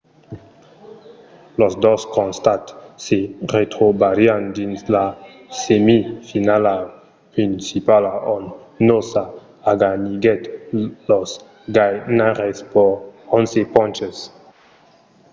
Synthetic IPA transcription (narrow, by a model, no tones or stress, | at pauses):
lɔsd̪ɔskõnst̪at̪seʁet̪ɾobaɾjand̪insla | semifinala | pinsipalaɔnː | osaː | ɡaniɡɛt̪lɔs | ɡajnaʁespɔɔnsepɔ̃nt͡ʃes